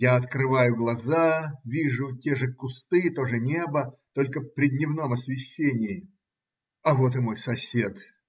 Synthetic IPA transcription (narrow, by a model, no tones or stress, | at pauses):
jaɐt̪kɾɨvajʊɡlˠɐzavʲiʐʊtʲeʐɨkʊst̪ɨt̪o̞ʐɨnʲebət̪o̞lʲkəfpɾʲɪd̪ʲnʲɪvno̞mɐsvʲɪɕʲːenʲɪjɪ | ɐvo̞t̪ɨmo̞jsɐsʲet̪